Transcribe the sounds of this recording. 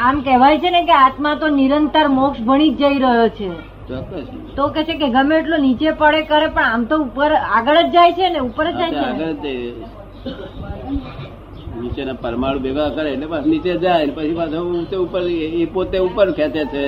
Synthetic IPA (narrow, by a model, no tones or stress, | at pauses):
amkɛʋajt͡ʃʰenekeat̪mãt̪oniɾənt̪əɾmokʃbʱəɽ̃id͡ʒd͡ʒəiɾəɦjot͡ʃʰe | t̪pət͡ʃʰit̪okɛt͡ʃʰekeɡəmeːʈlonit͡ʃepəɽekəɾepəɳamt̪oupəɾaɡəɭəd͡ʒd͡ʒajt͡ʃʰeneupəɾəd͡ʒd͡ʒajeaɡələd͡ʒd͡ʒaj | nit͡ʃenapəɾmaɭubeɡakəɾeːʈlepãsnit͡ʃed͡ʒajnepət͡ʃʰipasʰət̪eupəɾepot̪eupəɾkʰet̪et͡ʃʰe